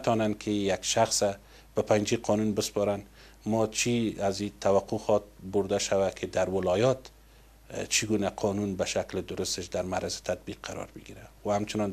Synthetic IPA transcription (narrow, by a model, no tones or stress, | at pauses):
at̪ɔnankʰɪjakʃaxsa | b̥apand͡ʒiqʰɔnunbɪspɔɾan | mɔt͡ʃʰiazit̪ʰawaqʰuxɔt̪̚bʊɾd̪aʃawakʰɪd̪aɾwɪlɒjɒt̪ | t͡ʃʰiɡunaqʰɔnunbaʃaklɪd̪ʊɾʊst̪ɪʃd̪aɾmaɾazɪ̥t̪ʰad̪̚biqːʰaɾɒ̰ɾbɪɡiɾawahamt͡ʃɪnɔn